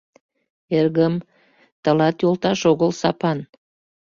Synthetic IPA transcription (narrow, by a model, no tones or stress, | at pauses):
erɣəm | t̪əlɑt̪jolˠt̪ɑʃoɣəlsɑpɑn